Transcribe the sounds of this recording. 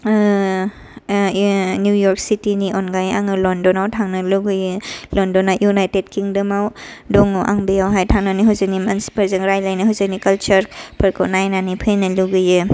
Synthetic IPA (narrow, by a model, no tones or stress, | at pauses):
njujɔɾk̚sitiniʔonɡajaŋɯlɔndɔnawtʰaŋnɯluɡɯjɯlɔndɔnajunajted̚kiŋdɯmawdɔŋoʔa̰ŋbijawɦajtʰaŋnaniɦawzɯnimansi̥pɐɾzɯŋɾajlajnɯɦawzɯnikɐlt͡ʃɐɾpʰɐɾkʰonajnanipʰɯjnɯluɡɯjɯ